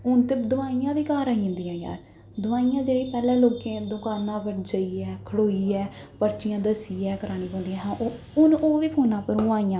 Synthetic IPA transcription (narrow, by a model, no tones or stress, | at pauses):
ʊnt̪eːd̪ʊʋaːijãːʋiːkaːɾãːĩnd̪iːjãːja̰ːɾ | d̪ʊʋaːijãːd͡ʒeːɽiːpɛːlɛ̃ːloːkẽːd̪õːkaːɾnãːpəʈd͡ʒəiːɛːkʰəɽoːiːɛːpəɾt͡ʃɪjãːd̪əsiːɛːkəɾaːɽ̃iːpɔ̃ːnd̪iːãːɦãːʔo | ʊnoːʋiːpʰoːnãːpəɾõaːijãː